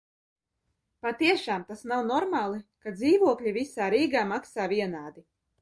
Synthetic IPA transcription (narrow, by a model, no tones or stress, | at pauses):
pat̪iɛʃaːmt̪asnawnɔɾmaːlˠikad̪ziːvuɔklʎʲivisaːɾiːɡaːmaksaːviɛnaːd̪i